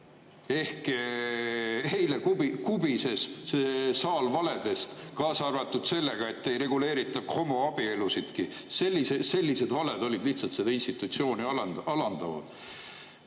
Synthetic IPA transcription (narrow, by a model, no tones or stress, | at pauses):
e̞hk | hejlekubikubise̞s | sɑːlvɑle̞d̪̥e̞st̪ | kɑːsɑrvɑt̪ːˑud̪̥se̞lːe̞ɡ̥ɑe̞t̪ːejɾe̞ɡule̞ːɾit̪ːˑɑkro̞moɑb̥ie̞lusid̪̥kise̞lːisese̞lʲːise̞d̪vɑle̞d̪o̞lʲid̪liht̪sɑlt̪se̞d̪ɑinst̪it̪ˑut̪sio̞ːnʲiɑlɑnɑlɑnd̪̥ɑvɑ̰d̪̥